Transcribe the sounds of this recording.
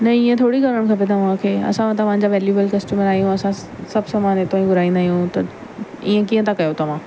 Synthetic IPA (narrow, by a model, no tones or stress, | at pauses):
nɐiːẽt̪ʰoːɽiɡamə̃ɳkʰɐp̬et̪ʰãmʊ̃ɦãkʰeːɐ̰sããt̪ɐʋããɲ̆d͡ʑaʋeːljuːbəlkɐsʈuːməɾaːɦijũɐsã | sɐbʱsɐmaːnet̪oːĩɡʊɾaːĩnd̪aːɦijũt̪ɐ | iːə̃kiːə̃t̪ʰãkɐjot̪ɐʋãː